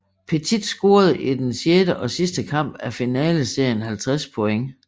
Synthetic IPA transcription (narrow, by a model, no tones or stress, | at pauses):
pʰet͡sʰid̥sɡ̥o̝ːɐð̞̩ˠʔid̥ensjeːɾ̥əʔɒ̽sisd̥əkʰɑ̈m̰b̥æfinɛ̰ːləse̝ɐ̰jənhælt͡sʰʁaspʰɔ̽eŋ